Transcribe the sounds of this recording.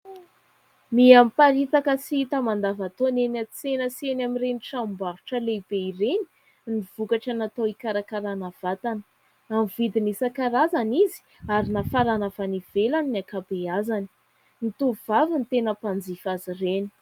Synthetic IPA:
miampaɾit̪akəsiit̪əmand̪avat̪onenat͡senəsenamireniʈ͡ʂambaɾuʈ͡ʂəleb̥eireni̥ | niv̥ukaʈ͡ʂanat̪owikaɾakaɾanav̥at̪anə̥ | amivid̪inisakaɾazanizi̥ | aɾinafaɾanavaniv̥elannakabeazani̥ | nit̪uvavint̪enəpand͡zifazireni̥

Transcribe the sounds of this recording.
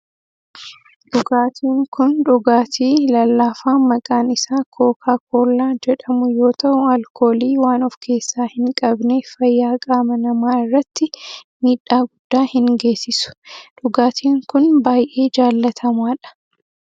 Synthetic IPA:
ᶑʊɡaːt̪ʰiːŋkʊnᶑʊɡaːt̪ʰiːlɐlːaːfaːmɐkʼaːnɪsaːkʰo̞ːkʰaːkʰoːlːaːd͡ʒɛᶑɐmʊjo̞ːt̪ʰɐʔʊɐlkʰo̞ːliːwaːnɔfkʰe̞ːsːaːhɪŋkʼɐbneːfɐjːaːkʼaːmɐnɐmaːɪrːɐt̪ːɪmiːᶑːaːɡʊd̪ːaːhɪŋɡe̞ːsːɪsʊ̥ᶑʊɡaːt̪ʰiːŋkʊnbaːjʔe̞ːd͡ʒaːlːɐt̪ʰɐmaːᶑɐ̥

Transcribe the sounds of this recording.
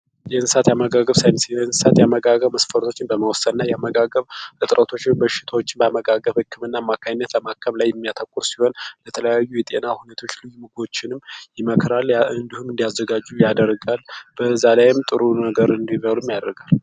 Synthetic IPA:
jɛɨnsat̪jaməɡaɡəβsajnsjɛnsat̪jaməɡaɡəβməsfəɾt̪ʰo̞t͡ʃːɪnbəməwsəd̪nːajaməɡaɡəβʔɨt̪ʼɾʔət̪ʰo̞t͡ʃːɪmbəʃɪ̥t̪ʰawo̞t͡ʃːɪnbəaməɡaɡəβhɨkʰːɨmɨnːamːakʰajɪnːət̪ləmakʰːəβlajːɛmːijat̪ʰəkʼuɾsiho̞nlət̪ʰələjajːujɛt̪ʼenahunet̪ʰo̞t͡ʃːlɨjumɨɡo̞t͡ʃːɪnɨmjɪməkʰɾalɨnd̪ihumɨnd̪ijazːəɡad͡ʒːujad̪əɾɡalb̥əzːalajɪmt̪ʼɨɾunəɡəɾɨnd̪iβəlumːijad̪əɾɡal

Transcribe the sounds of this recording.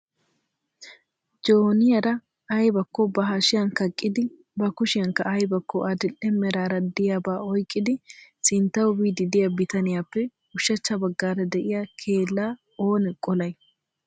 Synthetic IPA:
d͡ʒoːnɪjɐɾɐ | ɐjbɐkːɔbɐɦaʃɪjɐnkɐkʼːɪd̪ɪ | bɐkʊʃɪjɐŋkːɐʔɐjbɐkːɔʔɐd̪ɪlɛmɛɾaːɾɐd̪ɪjabaːɔjkʼːɪd̪ɪsɪnt̪ːɐwʊbiːd̪ɪd̪ɪjɐbɪt̪ɐnɪjaːpːɛ | ʊʃːɐt͡ʃːɐbɐɡːaːɾɐd̪ɛʔɪjɐkʰe̞ːlːaː | o̞ːnɛkʼɔlɐj

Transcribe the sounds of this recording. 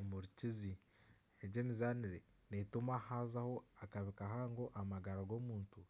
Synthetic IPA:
muɾicizi | eɟe̞ːmizaːniɾe | netumahaːzaho̞akaβikaɦaːŋɡo̞ʔamaɡaɾaɡo̞ːmuːntu

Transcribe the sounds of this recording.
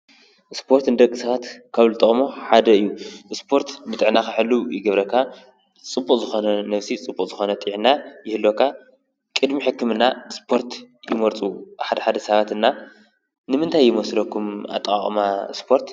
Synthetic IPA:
ʔɨspʰo̞ɾt̪nd̪ɐkʼːisɐβat̪kʰaβlɨt̪ʼɐχʼmoħad̪ɐɨjːuɨspʰo̞ɾt̪mɨt̪ʼɨʕnakaħɨlːujɪɡɐβɾɐkʰːa | t͡sʼɨbːukʼzɨxo̞nɐnɐβsit͡sʼɨbːukʼzɨxo̞nɐt̪ʼijʕnːajɪhɨlːo̞kʰːa | kʼɨd̪miħɨkːɨmɨnːaɨspʰo̞ɾt̪ | jɪmɐɾt̪ʼuħad̪ɐħad̪ɐsɐβat̪ɨnːa | nɨmɨnt̪ʰajːɪmɐsɨd̪ɐkʰːuma̰t̪ʼkʼa̰χʼmaspʰo̞ɾt̪

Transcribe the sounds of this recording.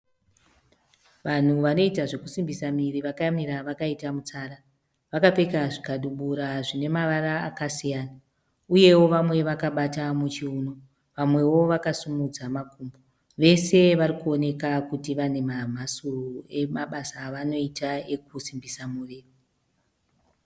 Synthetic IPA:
ʋan̤uʋano̞itaʐe̞kusimbisamiriʋakajamiɾaʋakaitamut͡saːɾa | ʋakape̞kaʐikaɗuɓuɾaʐine̞maʋaraːkasijaːna | uje̞wo̞ʋamwe̞ʋakaɓatamut͡ʃiuːno̞ | ʋamwe̞wo̞ʋakasumud͡zamakumbo | ʋe̞se̞ʋarikuo̞ne̞kakutiʋane̞mam̤asurue̞maɓasaʋano̞itaek̚usimbisamuriːri

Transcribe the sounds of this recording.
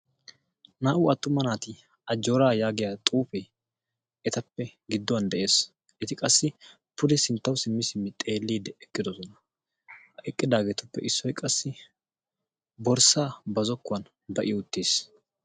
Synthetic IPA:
naːʔʊɐt̪ːʊmɐnaːt̪ɪ | ɐd͡ʒːo̞ːɾaːjaːɡɪjaːt̪ʼuːfɛ | ɛt̪ɐpːɛɡɪd̪ːɔwɐnd̪ɛʔe̞ːs | ʔɛt̪ɪkʼɐsːɪ | pʰʊd̪ɛsɪnt̪ːɐwsɪmːɪsɪmːɪt̪ʼeːlːiːd̪ɛɛkːɪd̪ɔsɔnɐ | ʔɛkʼːɪd̪aːɡɛt̪ʊpːɛ̰ʔɪsːɔjkʼɐsːɪ | bɔɾsaːbɐzɔkːʊɐn | bɐʔɪʊt̪ːeːs

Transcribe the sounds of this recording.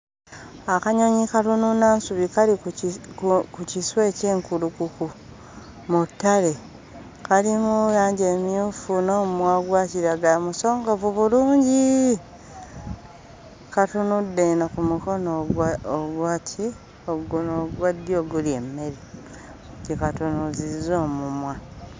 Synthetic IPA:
akaɲoɲikatununaːnsuβikali | kuciswe̞ːceːŋkulukuku | mutːale̞ | kalimujaːɲɟemijuːfunoːmwaɡwaːtiɾaɡamuso̞ːŋɡoβuβuluːɲɟi | katunudːenakumuko̞nooɡwaːtʰi | oɡnoɡwadio̞ɡulie̞mːe̞ɾi | ɟekatunuzizo̞ːmumwa

